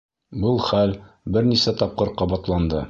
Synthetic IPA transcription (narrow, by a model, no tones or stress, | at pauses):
bɤlˠχæl | bɘɾnisæt̪ɒp̚qɤɾqɒbɑt̪lˠɑnd̪ɤ